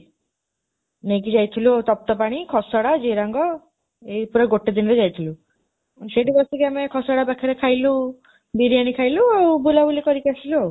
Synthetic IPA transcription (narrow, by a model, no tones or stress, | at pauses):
nek̬id͡ʒajt̪ʰilut̪ɔp̚t̪ɔpaɽ̃ikʰɔsɔɽad͡ʒeɾaŋɡɔ | epuɾaɡoʈːed̪inɾed͡ʒajt̪ʰilu | seʈibɔsɔkiamekʰɔsɔɽabakʰeɾekʰajlu | biɾiaɽ̃ikʰajluawbulabulikɔɾikasilo